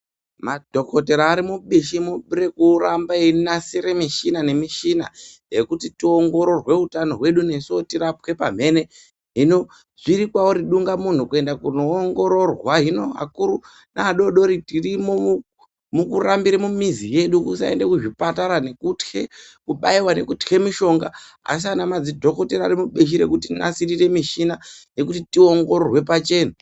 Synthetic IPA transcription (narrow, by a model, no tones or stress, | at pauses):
madʱo̞kʰoteɾaːɾimuɓiʃimure̞kurambainasiɾemiʃinane̞miʃina̰je̞kutitioŋɡo̞ɾo̞rwe̞utano̞ɦwe̞ɗune̞sotiɾapwe̞pa̰m̤e̞ne̞ | ɦino | ʐiɾikwawoɾiɗuŋɡamun̤ukue̞ndakunoːŋɡo̞ɾo̞rwaɦino̞a̰kuɾu | naːɗo̞ɗo̞ɾitirimo | mukurambiɾemumizije̞ɗukusa̰ende̞kuʐipataɾane̞kutxe | kuɓaiwane̞kutxe̞miʃo̞ŋɡa̰ | a̰s̬ianamad͡zidʱo̞ko̞teɾaɾimuɓeʃ̬iɾe̞̰kutina̰sirire̞miʃinaje̞kutitio̞ŋɡo̞ɾorwe̞pat͡ʃe̞ːna